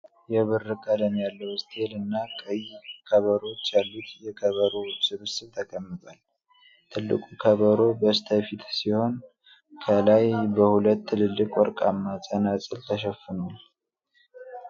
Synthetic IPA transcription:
jɛβɨrːɨkʼələmjalːəwst̪ʰʼe̞lɨnːakʼəjkʰəβəɾo̞t͡ʃːjalːut̪jɛkʰəβəɾosɨβɨsɨβt̪ʰəkʼəmːɨt̪ʼal | t̪ʰɨlːɨ̰kʼukʰəβəɾo̞bəst̪ʰəfit̪siho̞n | kʰəlajbəhulət̪ːɨlɨlːɨkʼwɔɾkʼamːasʼənasʼɨlt̪ʰəʃəfɨnul

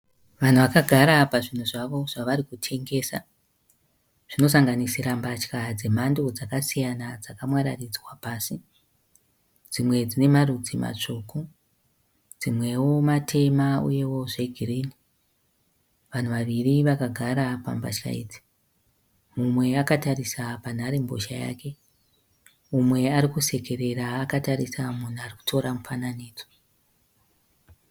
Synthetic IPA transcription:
ʋan̤uʋakaɡʱaɾapaʐin̤uʐaʋo̞ʐ̥aʋaɾikutʰe̞ŋɡe̞ːsa̰ | ʐ̥ino̞s̬aŋɡanisiɾambat͡ʃkad͡zem̤ando̞d͡zakasijanad͡zakamwaɾarid͡zwapaːsi | d͡zimwe̞d͡zine̞marud͡zima̰t͡ʂuku | d͡zimwe̞wo̞matʰe̞maṵje̞wo̞ʐe̞ɡʱiriːni | ʋan̤uʋaʋiriʋakaɡʱaɾapa̰mba̰ʃa̰ḭd͡zi̥ | mumwe̞akatarisapan̤aɾe̞mbo̰ʃaja̰ːke̞ | mumwe̞aɾikuse̞ke̞ɾe̞ɾaːkataɾisamun̤uariku̥tʰo̞ɾamufananiːd͡zo̥

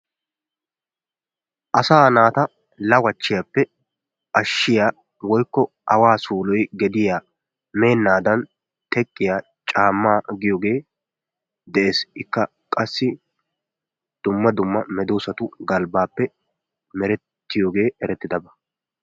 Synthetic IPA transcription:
ʔɐsaːnaːt̪ɐ | lɐwɐt͡ʃːɪjapːɛ | ʔɐʃːɪjaː | wɔjkːɔ | ʔɐwaːsuːlɔjɡɛd̪ɪjaː | me̞ːnːaːd̪ɐn | t̪ʰɛkʼːɪjaː | t͡ʃʼaːmːaːɡɪjoːɡe̞ː | d̪ɛʔeːsɪkːɐ | kʼɐsːɪ | d̪̥ʊmːɐd̪ʊmːɐmɛd̪oːsɐt̪ʊɡɐlbaːpːɛ | mɛɾɛ | t̪ːɪjoːɡe̞ːɛɾɛt̪ːɪd̪ɐbɐ̥

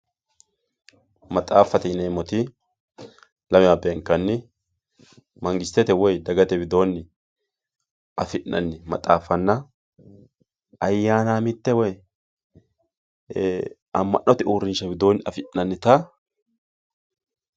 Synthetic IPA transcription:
mɐt̪ʼaːfːɐt̪ɪneːmɔt̪ɪ | lɐmɛmɐbeːŋkːɐnːɪ | mɐŋɡɪst̪ːɛt̪ɛwɔjd̪ɐɡɐt̪ɛbɪd̪o̞ːnːɪ | ʔɐfɪʔnɐ̰nːɪmɐ̰t̪ʼa̰ːfɐnːɐ | ɐjːaːnaːmɪt̪ːɛwɔj | ɐmːɐʔːɔt̪ɪʔuːɾɪnʃɐbɪd̪o̞ːnːɪɐfɪnɐnːɪt̪ɐ

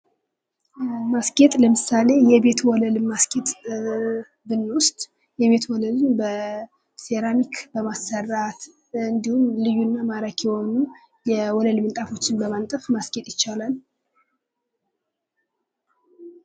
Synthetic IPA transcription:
maskʼe̞t̪ʼləmɨsale̞jɛbe̞t̪wɔləlɨmːaske̞t̪ʼ | bɨnːwʊst̪ʼ | jɛβe̞t̪ʰwɔləlɨmbə | se̞ɾamikʰbəmasːərːat̪ | ɨnd̪ihumlɨjːunːamaɾakʰɛho̞nu | jɛwɔləlmɨnt̪ʼafo̞t͡ʃːɪnbəmant̪ʼəfmaske̞t̪ʼjɪt͡ʃːalal

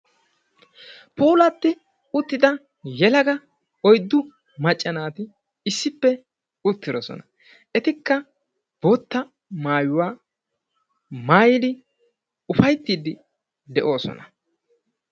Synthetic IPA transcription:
puːlɐt̪ːɪ | ʊt̪ːɪd̪ɐ | jɛlɐɡɐ | ɔjd̪ːʊ | mɐt͡ʃʼːɐnaːt̪ɪ | ɪsːɪpːɛ | ʊt̪ːɪd̪ɔsɔ̰nɐ | ɛt̪ɪkːɐ | b̥oːt̪ːɐ | maːjʊwaː | maːjɪd̪ɪ | ʊfɐjt̪ːiːd̪ɪ | d̪ɛʔo̞ːsɔ̰nɐ

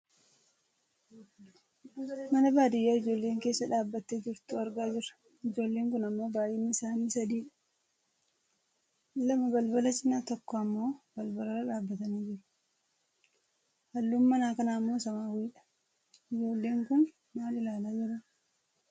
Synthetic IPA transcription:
mɐnɐbaːd̪ɪjːaːɪd͡ʒo̞ːlːe̞ːŋke̞ːsːɐᶑaːbːɐt̪ːed͡ʒɪɾt̪ʊɐɾɡaːd͡ʒɪɾɐ̥ | ɪd͡ʒo̞ːlːeːŋkʊnɐmːo̞ːbaːjɛnːɪɪsaːniːsɐd̪iːᶑɐ̥ | lɐmɐbɐlbɐlɐsɪnːaːt̪ɔkːɔɐmːo̞ːb̥ɐlbɐlɐɾɐᶑaːbːɐt̪ɐniːd͡ʒɪɾʊ̥ | hɐlːuːmːɐnaːkɐnaːmːo̞ːsɐmaːwiːᶑɐ̥ | ɪd͡ʒo̞ːlːeːŋkʊn | maːlɪlaːlaːd͡ʒɪɾɐ

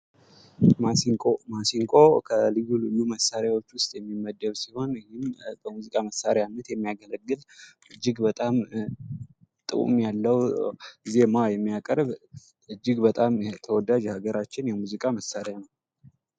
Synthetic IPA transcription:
maomasiŋkʼo̞kʰəlɨjːulɨjːuməsaɾjawo̞t͡ʃːwʊst̪ʼjɛmːimːəd̪ːəβsiho̞nhɪmbəmuzikʼaməsːaɾeanːət̪jɛmːijaɡələɡːɨlʔɨd͡ʒːɪɡbət̪ʼam | t̪ʼɨ̰kʼṵmjalːəwzemajɛmːijakʼəɾβ | ʔɨd͡ʒːɪɡbət̪ʼamt̪ʰəwɔd̪ad͡ʒhaɡəɾat͡ʃːɪnjɛmuzikʼaməsːaɾejanəw

